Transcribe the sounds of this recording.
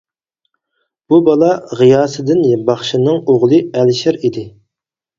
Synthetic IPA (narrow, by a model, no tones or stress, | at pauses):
b̥ubɑlˠɑʁijɑːsɨd̪ɪnjbɑχʃinɨŋoʁlˠɨɛlʃɪɾid̪ɪ